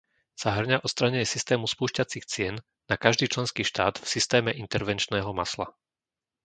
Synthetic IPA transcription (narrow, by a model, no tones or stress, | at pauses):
saɦr̩ɲaʔɔt̪st̪ɾaɲɛɲɛsist̪ɛːmuspuːʃcat͡sixt͡sɪɛnː | akaʒd̪iːt͡ʃlɛnskiːʃt̪a̰ːd̪fsist̪ɛːmɛʔint̪ɛɾʋɛnt͡ʃnɛːɦɔma̰sla̰